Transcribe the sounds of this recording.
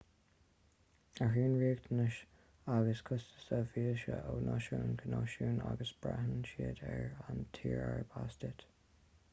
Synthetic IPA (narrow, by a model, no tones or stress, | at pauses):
aɦiːnɹiːɡt̪ʰənəʃ | aɡəskʰʊstə̥səviːəʃəʔownʔɔʃuːnkʰənɔʃuːnaɡəsb̥ɹahənʃiəd̪ɛɹant̪ʰiːɹɛɹəbastɪt̪